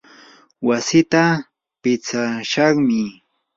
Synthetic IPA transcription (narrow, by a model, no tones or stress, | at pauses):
wasɪt̪a | pɪt͡saʃɑχmɪ